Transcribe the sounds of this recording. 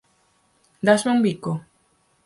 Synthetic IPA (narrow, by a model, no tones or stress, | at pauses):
d̪asmoŋbiko